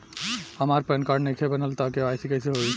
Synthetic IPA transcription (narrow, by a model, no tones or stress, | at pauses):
həmaːɾpənkaːɾɖnekʰebənəlt̪akeaːɪsikɐɦseɦoi